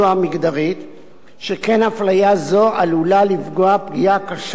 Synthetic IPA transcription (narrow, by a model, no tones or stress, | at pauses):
amiɡd̪aʁit̪ | ʃeke̞naflajazo̞ʔalulalifɡo̞apɡijakaʃ